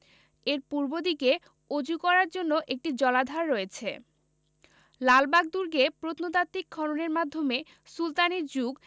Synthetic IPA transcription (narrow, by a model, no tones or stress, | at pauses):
eɾpuɾbod̪ike | od͡ʑukɔɾaɾd͡ʑonːoʔek̚ʈid͡ʑɔlad̪ʱaɾːoet͡ɕʰe | lalbaɡ̚d̪uɾɡepɾot̪not̪at̪ːik̚ɡʰʱɔɾoneɾmad̪ʱːome | sult̪aniɾd͡ʑuɡ